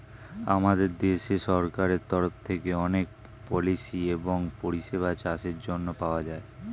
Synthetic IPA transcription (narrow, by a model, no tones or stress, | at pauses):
a̰mad̪eɾd̪eʃeʃɔɾkaɾeɾt̪ɔɾoft̪ʰekeɔnek̚ | pɔliʃieboŋpoɾiʃeβat͡ɕaʃeɾd͡ʑonːopaoad͡ʑae